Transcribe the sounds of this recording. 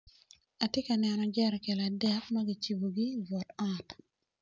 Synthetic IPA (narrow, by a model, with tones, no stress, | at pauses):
a˨tɪ˦ka˨nɛ˨nɔ˨d͡ʒɛɾkɛ˨la˨dɛ˦kma˦ɡɪ˨t͡ʃi˨bo˨ɡi˦bɔ˨tat